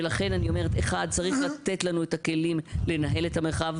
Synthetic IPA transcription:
elaχe̞nanio̞me̞ʁeteχad̪̚t͡saʁiχlat̪etlanuetake̞limle̞naɦe̞le̞tameχav

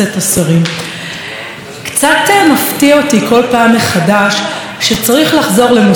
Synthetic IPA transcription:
etasaʁim | kt͡satemaftiaotiko̞lpaːmːeχadaʃ | ʃet͡saʁiχlaχzo̞ʁle̞mo

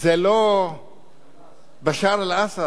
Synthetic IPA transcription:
zelo | baʃaɾalasa

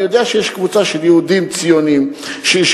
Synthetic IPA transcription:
jod̪eaʃejeʃkvut͡saʃeljeud̪imt͡sijonimʃeʃ

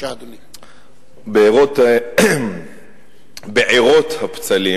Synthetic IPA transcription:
beiʁot̪ | beʕiʁot̪hapt͡sali

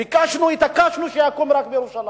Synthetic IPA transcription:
ikaʃinuit̪akaʃinuʃeakomiɾakumeɾuʃala

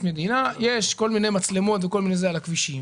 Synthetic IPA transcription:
med̪inaje̞ʃko̞lminejmat͡sle̞mo̞t̪veko̞lminejzealakviʃim

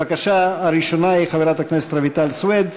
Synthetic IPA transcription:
akaʃaaɾiʃo̞naiχaveɾat̪akneset̪ɾevit̪alswed̪

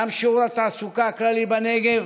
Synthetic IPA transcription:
amʃoɾat̪asukakləlibɐneɡe

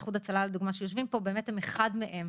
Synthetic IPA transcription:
χudat͡salaled̪uɡmaʃejoʃvimpo̞be̞ːmethemeχadmeʔe̞m

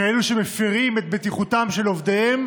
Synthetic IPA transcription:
aeluʃemefiʁimet̪̚bet̪iχutamʃelo̞vd̪ehem

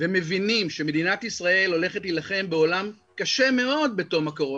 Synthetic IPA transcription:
veme̞vinimʃeme̞d̪inat̪isʁae̞lo̞le̞χet̪ilaχe̞mbe̞o̞lam | kaʃe̞me̞o̞d̪̚be̞to̞makoʁo

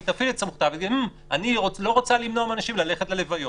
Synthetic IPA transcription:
t̪afiletsamuχt̪aveɡi | aniolo̞ʁot͡salimnoameanaʃimlale̞χet̪lelevajo

